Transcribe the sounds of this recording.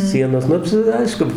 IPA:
ˈsʲiɛnoːs ˈnʊ t͡ʃʲɛ ˈɐɪʃkʊ

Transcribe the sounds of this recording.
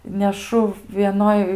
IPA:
nʲɛˈʃʊ ʋʲiɛˈnoːj

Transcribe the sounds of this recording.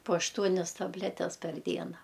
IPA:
poː ɐʃˈtuɔnʲɛs tɐbʲˈlʲæːtʲɛs pʲɛr ˈdʲiɛnɐ

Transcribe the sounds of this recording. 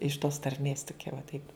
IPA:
ɪʃ toːs tɐrʲˈmʲeːs toːˈkʲɛ ʋɐ ˈtɐɪp

